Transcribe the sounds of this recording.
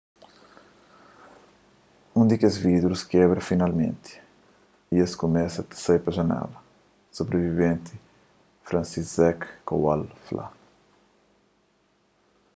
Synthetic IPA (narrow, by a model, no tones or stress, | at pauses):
ũd̪ikezvid̪ɾuskɛβɾɐfinalmḛ̃nt̪ɪ̥ | ieskumɛsɐt̪ɪ̥sejpɐʒɐnɛ̰lɐ | sobɾevivẽnt̪ɪ | fɾɐ̃nsizzɛkːo̰walfla̰